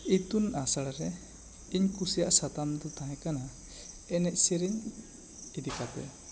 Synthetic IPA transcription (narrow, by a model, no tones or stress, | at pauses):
it̪unasaɽaɾɛ | iɲkusijaʔsat̪amd̪ɔt̪aɦɛ̃kana | ɛnɛʔsiɾiɲ | id̪ikat̪ɛ̰